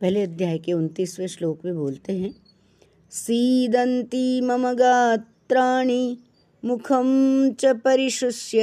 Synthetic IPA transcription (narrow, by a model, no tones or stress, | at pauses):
pɛɦleɐd̪ʱjaːjkeunt̪iːsʋeʃloːkbʱĩboːlt̪eɦɛ̃ː | siːd̪ɐnt̪imɐmɐɡaːt̪ɾaːɳi | mukʰɐmt͡ʃɐpɐɾiʃʊsjɐ